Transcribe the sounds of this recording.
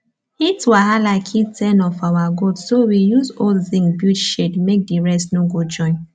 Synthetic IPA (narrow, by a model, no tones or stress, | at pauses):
itwaɦalaɪkʰitʰɛ̃nɔfawaɡodsowijuzodθĩŋbjutʃedmek̚diɹɛsnoɡod͡ʒɔ̃ɪ̃n